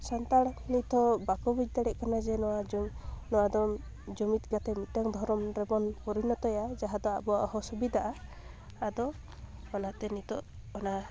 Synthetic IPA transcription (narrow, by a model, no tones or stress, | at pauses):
sant̪aɽnit̪ʰɔbakɔbid͡ʒd̪aɽɛʔkanad͡ʒɛnɔwad͡ʒnɔwad̪ɔ | d͡ʒɔmit̪̚ˀɡat̪ɛmit̪aŋd̪ʱɔɾɔmɾɛbɔnpɔɾinɔt̪ɔjad͡ʒaɦad̪ɔa̰bɔwa̰ʔɔhɔsɔbid̪aʔaː | d̪ɔː | nat̪ɛnit̪ɔ̰ʔ | ɔna